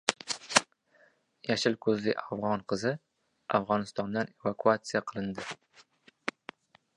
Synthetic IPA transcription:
jaʃɪlkʰɵzlɪʔavʁɒnqʰɨzɪ | afʁɒnɪst̪ɒnd̪ane̞vakʰuat̪sijaqʰɨlˠɪnd̪ɪ

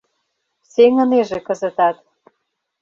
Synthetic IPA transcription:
seŋə̆neʒĕkə̆zə̆t̪ɑt̪

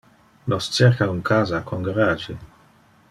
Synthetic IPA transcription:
lɔst͡ʃerkauŋkʰaːzakʰoŋɡaɾaːd͡ʒe

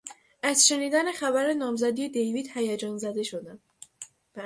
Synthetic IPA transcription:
ʔæzʃe̞niːd̪ænexæbæɾenɒːmzæd̪ije̞d̪ejviːd̪̥hæjæd͡ʒɒːnzæd̪e̞ʃod̪æm | b̥

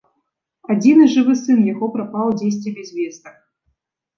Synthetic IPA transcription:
adʲinɨʐɨvɨsɨnjaɣopɾɐpɑlˠdʲes̬ʲt̪ʲvʲebʲezʲvʲesnɨx

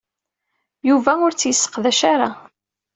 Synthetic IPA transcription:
juvæʊɾt͡sːjəsːə̥qðæʃaɾa

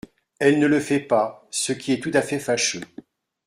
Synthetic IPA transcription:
ɛlnələfɛpasəkʲiɛt̪ut̪afɛfaʃø

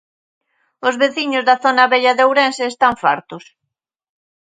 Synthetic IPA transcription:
ʊzβeθiɲʊzðaθonɐβeʎɐðowɾenseːst̪aɱfa̰ɾt̪ʊs

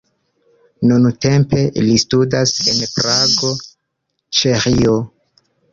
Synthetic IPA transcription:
nunte̞mpe̞listudase̞npɾaɡo̞ | t͡ʃeɾio

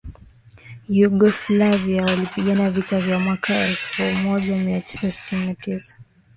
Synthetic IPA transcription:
juɠɔslaviawalipiɠanavitavjamwakʰaɛlfumɔʄamiati̥sasi̥tininatisḁ

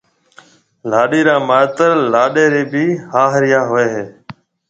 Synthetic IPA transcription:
laːɗiːɾãːmaːt̪əɾlaːɗeːɾeːbiːhaːɦɾɪjaːɦoeːɦeː

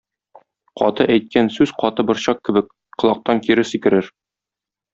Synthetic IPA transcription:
qʰɒ̰t̪ɤʔæjt̪̚kænsʉz̥qɒt̪ɤbɤ̆ɾɕɑqkːɘ̆bɘk | qɤ̆lˠɑq̚t̪ɑŋkiɾɘsikɘ̆ɾɘɾ

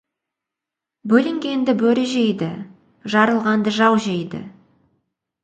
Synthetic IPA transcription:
bɵlɪŋɡʲe̞nd̪ɪbɵɾɪʒe̞jd̪ɪ | ʒɑɾəlˠʁɑnd̪əʒɑwʒejd̪ɪ̰

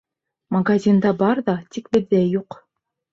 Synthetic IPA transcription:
mɐɡazʲind̪ɑbɑɾðɑt̪ikbɘ̆ðːæjuq

